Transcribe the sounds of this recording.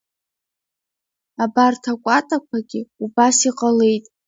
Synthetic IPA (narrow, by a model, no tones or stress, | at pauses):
abartʰakʷʼatʼakʷʰaɡʲɪubasiqʼale̞jtʼ